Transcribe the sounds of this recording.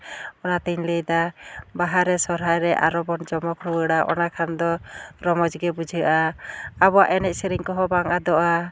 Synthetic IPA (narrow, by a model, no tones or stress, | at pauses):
ɔnat̪iɲləjd̪abaɦaɾɛsɔɾɦajɾɛʔa̰ɾɔbɔnd͡ʒɔmɔkɾuwəɽaʔɔ̰nakʰand̪ɔɾɔmɔd͡ʒɡɛbud͡ʒʱiəʔaabɔa̰ʔɛnɛʔ̚siɾiŋkɔɦɔbaŋʔad̪ɔʔa